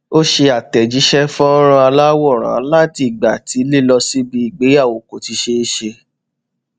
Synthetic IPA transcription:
o˦ʃe˧a˨tɛ˨d͡ʒi˨˦ʃɛ˦fɔ˦ɔ˦ɾɔ̃˧a˧la˦wɔ˦˨ɾ̃ã̰˨˦la˦ti˧˦i˨ɡ͡ba˨ti˨˦li˦˨lɔ˧si˦bi˧i˨ɡ͡be˨˦a˦˨wo˨ko˨ti˨˧ʃe˧e˧ʃe˧

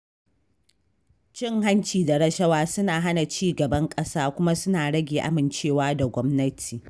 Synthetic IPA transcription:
t͡ʃɪ˦ŋɦa˦nt͡ʃiː˨da˨ɽɐ˦ʃɐ˦waː˦sʊ˦naː˨ɦa˦na˨t͡ʃiː˦˨ɡɐ˨bɐ˦ŋkʼɐ˦saː˦kʷʊ˦ma˦sʊ˦naː˨ɽɐ˦ɡʲeː˨ʔa̰˦mɪ˨nt͡ʃeː˦˨waː˦da˨ɡʷɔ˦mnɐ˦tʰiː˨

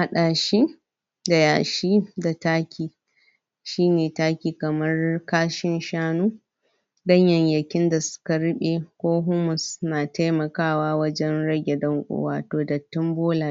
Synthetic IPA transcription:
a˨ɗaː˨ʃi˦ | da˨jaː˨ʃiː˦da˨taː˦kʲiː˨ | ʃiː˦neː˨taː˦kʲiː˨kɐ˨mɐ˦rkaː˦ʃɪ˦nʃaː˦nuː˦ | dɐ˦ɲjɐ˨ɲjɐ˨kʲɪ˦nda˨sʊ̥˦kɐa˨ɾʊ˦ɓeː˨kʷoː˦ɦʊ˦mʊ˨snaː˨ta˦jmɐ˨kaː˦˨waː˦wɐ˦d͡ʒɛ˦nɽɐ˦ɡʲe˨dɐ˦ŋkʷʼʊ̰ː˦waː˨toː˨dɐ˨tːʊ˦mboː˦laː˨˦

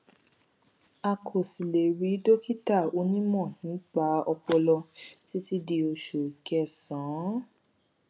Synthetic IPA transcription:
a˧kʰo˨si˨le˨ɾi˨˦do˦ki˦ta˦˨o˧˦nĩ˦mɔ̃˦˨nĩ˨˦k͡pa˧˦ɔ˧k͡pɔ˧lɔ˧ti˨˦ti˦di˧o˧ʃo˨i˨kɛ˧sɔ̃˨˦

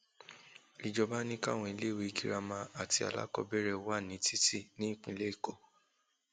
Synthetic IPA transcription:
i˨d͡ʒɔ˧ba˦nĩ˦ka̰˦˨w̃ɔ̃˧i˧le˦˨we˧i˧ɡi˨ɾa˧mã˧a˨ti˧a̰˨la̰˦kɔ̰˧bɛ˦˨ɾɛ˧˦wa˦˨nĩ˨˦tʰi˦ti˦˨nĩ˨˦˨k͡pĩ˧˦le˦i˦˨ko˦˨

